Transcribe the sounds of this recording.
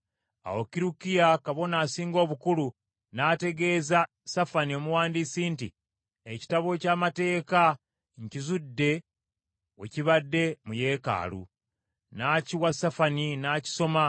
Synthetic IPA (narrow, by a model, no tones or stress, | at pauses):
a̰okiɾukijakaβo̞naːsiːŋɡo̞ːβukulu | naːte̞ɡe̞ːza | safaniomuwaːndiːsiːnti | eci̥taβo̞caːmate̞ːka | ɲcizudːe̞ | wḛciβadːe̞muje̞ːka̰ːlṵ | naːciwasafaninaːci̥so̞ma